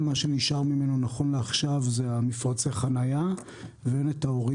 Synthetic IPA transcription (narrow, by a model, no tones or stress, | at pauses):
maʃe̞niʃaʁmime̞nonaχo̞nleaχʃavzeamifʁat͡seχanaja | veenetaoʁi